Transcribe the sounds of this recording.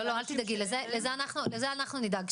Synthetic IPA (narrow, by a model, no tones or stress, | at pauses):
oloalt̪id̪aɡid̪lezelezeanaχnulezeanaχnunid̪aɡ